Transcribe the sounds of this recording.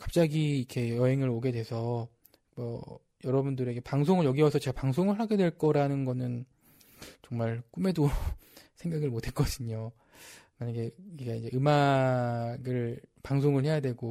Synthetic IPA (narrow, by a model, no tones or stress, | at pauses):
kḁp̚t͡ɕ͈aɡiikʰe̞jʌɦe̞ŋɯɾoɡe̞dwe̞sʰʌ | mʌ | jʌɾʌbundɯɾe̞ɡepaŋs̬ʰoŋɯɭjʌɡiwʌsʰʌt͡ɕe̞ɡapaŋs̬ʰoŋɯɭɦaɡe̞dwe̞ɭk͈ʌɾanɯnɡʌnɯn | t͡ɕʌŋmaɭk͈ume̞do | sʰeŋɡaɡɯɭmotʰe̞k͈ʌɕɯɲo | maɲaɡe̞iɡaid͡ʑe̞ʔɯma | ɡɯɭpaŋsʰoŋɯɭhe̞jadwe̞ɡo